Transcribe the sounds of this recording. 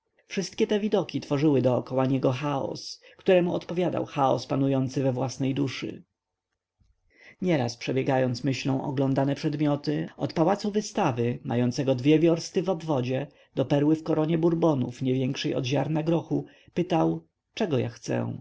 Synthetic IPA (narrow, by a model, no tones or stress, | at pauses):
fʂɘst̪̚kʲɛt̪ɛvʲid̪ɔkʲit̪fɔʐɘwɘd̪ɔːkɔwaɲɛɡɔxaɔ̰skt̪uɾɛmuɔt̪pɔvʲjad̪a̰wxaɔ̰spanujɔnt̪sɘvɛvwasnɛjd̪uʂɘ̰ | ɲɛɾaspʂɛbʲjɛɡajɔnt̪smɘɕlɔ̃w̃ʔɔ̰ɡlɔnd̪anɛpʂɛd̪mʲjɔt̪ɘɔt̪pawat̪suvɘst̪avɘma̰jɔnt̪sɛɡɔd̪vʲjɛvʲjɔɾst̪ɘvɔbvɔd͡ʑɛ | d̪ɔpɛɾwɘfkɔɾɔɲɛbuɾbɔnṵfɲɛvʲjɛŋkʂɛjɔ̰d̪ʑaɾnaɡɾɔxu | pɘt̪aw | t͡ʂɛɡɔja̰xt̪sɛ̰w̃